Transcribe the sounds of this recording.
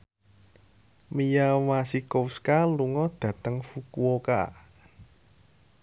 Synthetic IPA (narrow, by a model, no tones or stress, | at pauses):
mijawasikowskaluŋɔd̪̥ä̤t̪əŋfukuoka̰